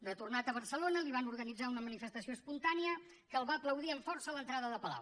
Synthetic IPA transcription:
rrət̪urnat̪əβəɾsəlonəliβ̞anuɾɣənid͡zaunəmənifəst̪əsioəspunt̪aniə | kəlˠβaəpləwðiəɱfɔɾsələnt̪ɾaðəðəpəla̰w

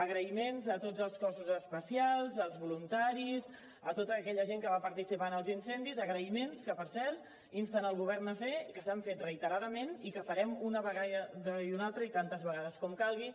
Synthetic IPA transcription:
əɣɾəimenzət̪od͡zəlˠskɔsuzəspəsialˠzəlˠzβulunt̪aɾiz | ət̪ot̪əːkɛʎəʒeŋkəβapəɾt̪isipanəlˠzinsɛnd̪izəɣɾəimenskəpəɾsɛɾt̪ | inst̪ənəlˠɣuβɛɾnəfekəsaɱfet̪rəit̪əɾaðəmenikəfəɾɛmunəβəɣaəðəiunalˠt̪ɾəit̪ant̪əzβəɣaðəskɔmkalˠɣi

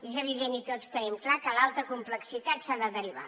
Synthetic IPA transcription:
ezəβiðenit̪ott͡st̪ənɛmklakəlalˠt̪əkumpləksit̪at̪saðəðəɾiβa̰

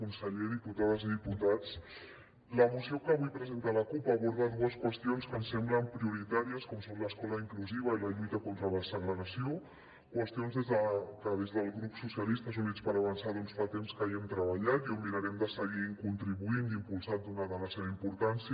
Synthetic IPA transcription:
kunsəʎeðiput̪aðəziðiput̪at͡s | ləmusiokəβujpɾəzent̪aləkupaːβuɾð̞at̪̚duəskwəst̪ionskənsɛmbləmpɾiuɾit̪aɾiəskɔmsonləskɔləiŋkluziβ̞əiləʎujt̪əkont̪ɾələsəɣɾəɣəsio | kwəst̪ionzðezðəkəðezðəlˠɣɾupsusjəlist̪əsunit͡spəɾəβənsaðɔnsfat̪emskaɛmt̪ɾəβəʎat̪iumiɾəɾɛmd̪əsəɣikunt̪ɾiβuind̪impulˠsand̪unaðələseβəimpuɾt̪ansi

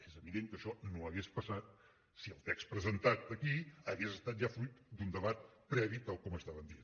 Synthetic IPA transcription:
ezəβiðeŋkəʃɔnoəɣespəsat̪̚ | siəlˠt̪ɛkspɾəzənt̪at̪̚əkiəɣezəst̪at̪̚ʒafɾujt̪d̪und̪əβat̪̚pɾɛβit̪alˠkɔməst̪aβənd̪ien

